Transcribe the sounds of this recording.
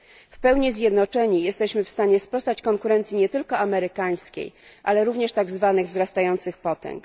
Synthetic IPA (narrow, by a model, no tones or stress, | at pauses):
fpɛwɲizʲjɛd̪nɔt͡ʂɛɲijɛst̪ɛɕmɘfst̪aɲɛspɾɔst̪at͡ɕkɔŋkuɾɛnt̪sʲiɲɛt̪ɘlkɔamɛɾɘkaj̃skʲḛj | ʔalɛɾuvɲɛʂt̪aɡzvanɘɣvzɾast̪ajɔnt̪sɘxpɔt̪ɛ̰ŋk